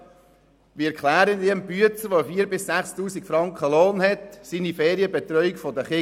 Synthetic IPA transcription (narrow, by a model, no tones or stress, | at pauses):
ʋiɛkʰlæːɾəndiəmpyət͡səʋofiːəɾbɪsːæχstuːsikfɾɑŋkχəloːnhɛt̪siːnifeːɾiəbɛt̪ɾœʏikfɔd̪əχɪ